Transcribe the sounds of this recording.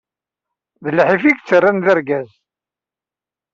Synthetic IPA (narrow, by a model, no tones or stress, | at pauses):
ðəlħifiɡt͡sːərːanðəɾɡæz